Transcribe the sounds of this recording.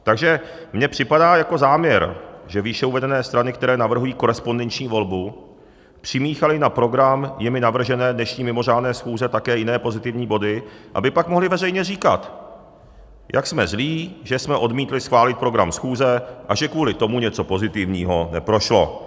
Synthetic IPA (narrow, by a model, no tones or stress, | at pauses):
t̪aɡʒɛ | mɲɛpr̥ɪpadaːjako̞zaːmɲɛɾʒɛviːʃɛuvɛdɛnɛːst̪ɾanɪkt̪ɛɾɛːnavr̩ɦujiːko̞ɾɛspo̞ndɛnt͡ʃɲiːvo̞lbu | pr̝̥ɪmiːxalɪnapɾo̞ɡɾamjɪmɪnavr̩ʒɛnɛːdnɛʃɲiːmɪmo̞raːdnɛːsxuːzɛt̪akɛːjɪnɛːpo̞zɪt̪ɪvɲiːbo̞dɪʔa̰bɪpakmoɦlɪvɛrɛjɲɛriːka̰t̪ | jʔa̰ksmɛzliːʒɛsmɛʔo̞dmiːt̪lɪsxvaːlɪt̪̚pɾo̞ɡɾamsxuːzɛʔaʒɛkvuːlɪt̪o̞muɲɛt͡so̞po̞zɪt̪ɪvɲiːɦo̞nɛpɾo̞ʃlo̞̰